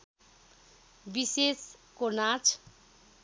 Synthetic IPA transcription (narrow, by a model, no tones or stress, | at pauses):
biseskonat͡sʰ